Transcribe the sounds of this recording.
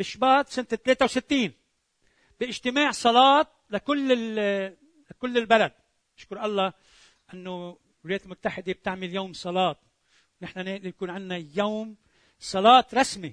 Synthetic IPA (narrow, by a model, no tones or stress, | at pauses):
bɪʃːbaːt̪sɪnt̪et̪leːt̪awsɪt̪ːiːn | b̥ɪʔɪʒt̪ɪmaːʕsˤɑlɑːt̪̚lakʊlːɪ | lakʊlːɪlbalad̪̚ | ʔɪʃkʊɾˤʔɑlˤːɑ | ʔɪnːo | wɪljeːt̪ɪlmʊt̪ːaħɪd̪eb̚t̪ɪʕmɪljoːmsˤɑlɑːt̪̚ | wnɪħnaned̪nakuːnʕɪnːajowm | sˤɑlɑːt̪ɾˤɑsmi